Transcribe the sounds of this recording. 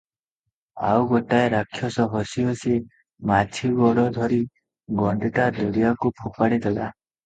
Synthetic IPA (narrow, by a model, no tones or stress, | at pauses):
a̰wɡoʈaeɾakʰːjɔsɔɦɔsiose | mat͡ʃʰiɡɔɽɔd̪ʱɔɾi | ɡɔɳɖiʈad̪ɔɽijakupʰupaɽid̪ɛla